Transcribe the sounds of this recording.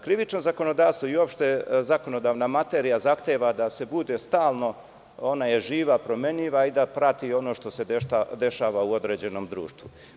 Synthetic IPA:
kɾiʋit͡ʃno̞zako̞nod̪aːʋst̪ʋo̞io̞pʃt̪ezako̞no̞d̪aːʋnamat̪eːɾijazaxt̪eːʋad̪ase̞bud̪e̞st̪aːlˠno̞ | o̞naje̞ʒiːʋapɾo̞me̞ɲiʋaid̪apɾat̪io̞no̞ːʃt̪o̞seead̪e̞ʃaːʋauo̞d̪ɾeːd͡ʑe̞no̞ːmd̪ɾṵːʃt̪ʋu

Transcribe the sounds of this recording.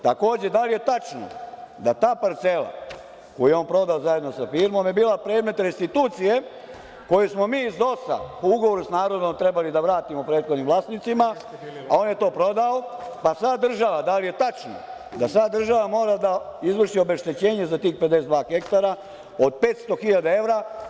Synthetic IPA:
t̪ako̞ːd͡ʑe̞d̪alijet̪at͡ʃno̰d̪at̪aːpaɾt̪selˠa̰ | kojujeonpɾo̞d̪aozajed̪nosafiːɾmo̞mjebiːlapɾe̞ːd̪me̞t̪ɾest̪it̪uːt̪sije̞ | ko̞jusmo̞miːzd̪o̞sa̰pouɡoʋo̞ɾusnaːɾo̞d̪o̞mt̪ɾebalid̪aʋɾaːt̪imopɾe̞ːt̪xod̪nimʋlˠaːst̪nit̪simaa̰o̞ːnje̞t̪o̞ːpɾo̞d̪aopasad̪d̪ːr̩ʒaʋad̪alije̞t̪at͡ʃno̰ | d̪asad̪r̩ʒaʋamo̞ːɾad̪aizʋr̩ʃio̞be̞ʃt̪e̞t͡ɕe̞ːɲezat̪iːxpe̞d̪e̞sd̪ʋaːxe̞kt̪aɾa | od̪̚pe̞ːt̪st̪o̞xiʎad̪ae̞ʋɾa

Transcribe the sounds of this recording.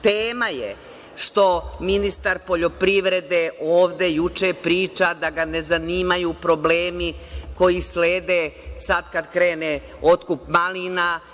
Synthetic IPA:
t̪eːmaje | ʃt̪o̞minist̪aɾpo̞ʎo̞pɾiʋɾe̞d̪eoːʋd̪e̞jut͡ʃepɾiːt͡ʃad̪aɡane̞zaniːmajupɾo̞bleːmiko̞jisleːd̪esad̪kad̪kɾe̞ːne | o̞t̪kupmalina

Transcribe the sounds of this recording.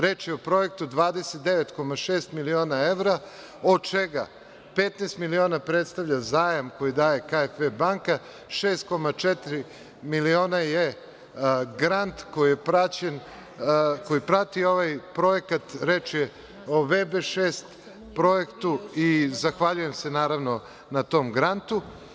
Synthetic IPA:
ɾet͡ʃjeopɾo̞je̞k̚t̪ud̪ʋaːd̪e̞set̪̚d̪eʋet̪ko̞maʃeːst̪milio̞ːnae̞ʋɾa | o̞d̪̚t͡ʃeɡa̰ | pet̪neːst̪milio̞ːnapɾet̪st̪aʋʎazaːjamko̞jid̪aːje̞kaefebaŋka | ʃeːst̪̚ko̞mat͡ʃet̪iɾi | milio̞ːnaje | ɡɾant̪ko̞jijepɾat͡ɕen | ko̞jipɾat̪io̞ʋajpɾo̞je̞kat̪ɾe̞t͡ʃje | oʋebeʃeːst̪ | pɾo̞jekt̪uizaxʋaʎuje̞msenaːɾaʋno̞ | nat̪o̞mɡɾant̪u

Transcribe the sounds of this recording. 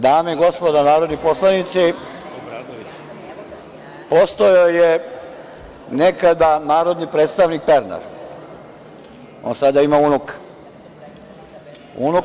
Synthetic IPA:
d̪aːmeɡo̞spod̪anaːɾo̞d̪niposlˠanit̪si | post̪ojoje | nekad̪anaːɾo̞d̪nipɾeːt̪st̪aʋnik̚peɾna̰ɾ | onsad̪aimauːnukḁ | ṵːnu

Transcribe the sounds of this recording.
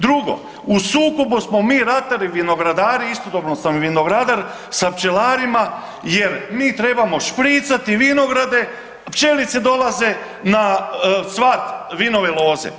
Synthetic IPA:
d̪ɾuɡo̞̰ | usuːkobusmo̞miːɾat̪aɾiʋino̞ɡɾad̪aːɾiist̪od̪obnosamʋino̞ɡɾad̪aɾ | sapt͡ʃe̞laːɾima | je̞ɾmiːt̪ɾe̞bamo̞ʃpɾiːt̪sat̪iʋino̞ɡɾad̪e̞ | pt͡ʃelit̪se̞d̪o̞lˠaze̞ | nasʋaːt̪ʋino̞ʋe̞lˠo̞ːzḛ

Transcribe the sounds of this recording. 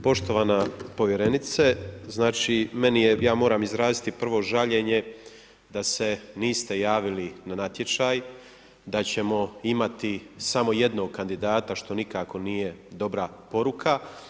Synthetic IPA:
po̞ʃt̪o̞ʋaːnapo̞ʋje̞ɾe̞nit̪seznaːt͡ʃime̞nijejaːmo̞ːɾaːmizɾaːzit̪ipr̩ʋo̞ʒaʎe̞ɲe̞ | d̪ase̞niːst̪e̞jaːʋilinanat̪jet͡ʃaːj | d̪at͡ɕe̞mo̞imat̪isamo̞je̞d̪no̞ːɡ̚kand̪id̪aːt̪aʃt̪o̞nikako̞niːje̞d̪o̞bɾapo̞ɾukʰa

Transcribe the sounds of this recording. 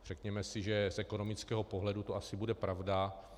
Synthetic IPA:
r̥ɛkɲɛmɛsɪʒɛsʔɛko̞no̞mɪt͡skɛːɦo̞po̞ɦlɛdut̪oʔasɪbudɛpɾavda

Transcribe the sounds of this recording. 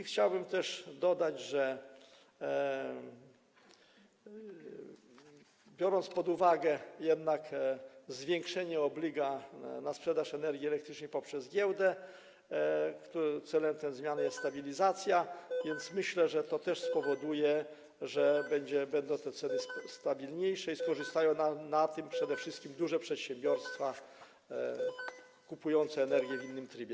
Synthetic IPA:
ixt͡ɕawbɘmt̪ɛʂd̪ɔd̪ad͡ʑʐɛ | bʲjɔɾɔnt̪spɔd̪uvaɡɛjɛd̪nakzvʲjɛŋkʂɛɲɛɔblʲiɡanaspʂɛd̪aʂɛnɛɾɡʲiɛlɛk̚t̪ɾɘt͡ʂnəpɔpʂɛzɡʲjɛwd̪ɛ | kt̪ut̪sɛlɛmt̪ɛzmʲjanjɛst̪ːt̪abʲilʲizat̪sʲjavʲjɛnt̪smɘɕlɛʐɛt̪ɔt̪ɛʂspɔvɔd̪ujɛ | ʐɛbɛɲd͡ʑɛbɛnd̪ɔ̃w̃t̪ɛt̪sɛnɘst̪abʲilɲejʂɛiskɔʐɨst̪ajɔ̃w̃nanat̪ɘmpʂɛd̪ɛfʂɘst̪kʲimd̪uʐɛpʂɛt̪ɕɛmbʲjɔɾst̪fa | kupujɔnt̪sɛːnɛɾɡʲjɛvinːɘmt̪ɾibʲjɛ

